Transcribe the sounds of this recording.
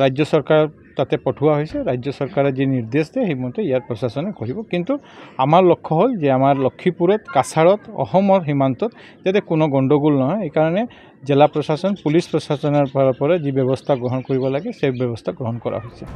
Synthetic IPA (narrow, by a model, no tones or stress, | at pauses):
ɾajd͡ʒjɔsɔɹkaɹ | t̪at̪ɛpɔʈʰuwaɦojsɛɾajd͡ʒjɔsɔɹkaɹɔziniɹd̪esd̪ɛximɔnt̪eijaɹpɹɔsasɔnɛkɔɹibɔkint̪uamaɹlɔkʰːɔɦolzeamaɹlɔkʰːipuɾɔt̪kasʰaɹɔt̪ɔ̰xɔmɔɹɦimant̪ɔt̪ | d͡ʒjat̪ɛkunɔɡɔɳɖɔɡulnɔɦɔjejkaɹɔnɛ | zelapɹɔsasɔnpulispɹɔsasɔnɔɹpɔpɔɾɔzibjɔbɔst̪ʰaɡɹɔɦɔnkɔɹibɔlaɡɛsebjɔbɔst̪ʰaɡɹɔɦɔnkɔɹa̰ɦojsɛ